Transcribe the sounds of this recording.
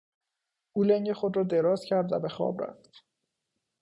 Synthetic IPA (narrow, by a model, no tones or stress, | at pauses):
ʔuːleŋɟexod̪rɒːd̪eɾɒːzcʰæɾd̪væ̰be̞xɒ̰ːbɾæ̰ft̪